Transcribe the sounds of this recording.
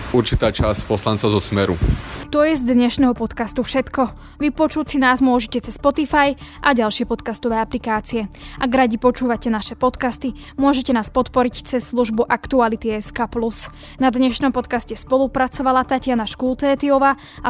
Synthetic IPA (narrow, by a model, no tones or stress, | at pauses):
uɾt͡ʃit̪aːt͡ʃascpɔslant͡sɔʊzɔsmɛɾut̪ɔjɛzd̪ɲɛʃnɛːɦɔpɔt̪kast̪ufʃɛt̪kɔ | ʋipɔt͡ʃusinaːzmʊɔʒɛcɛt͡sɛspɔt̪ifajʔaɟalʃɪɛpɔt̪kast̪ɔʋɛːaplikaːt͡siɛʔaɡɾaɟipɔt͡ʃuːʋacɛnaʃɛpɔt̪kast̪i | mʊɔʒɛcɛnaːspɔt̪pɔɾict͡sɛsːluʒbuʔakt̪ualit̪iɛskaːplus | nad̪ɲɛʃnɔmpɔt̪kascɛspɔlupɾat͡sɔʋalat̪acɪanaʃkuːlt̪ɛːt̪iɔʋa | a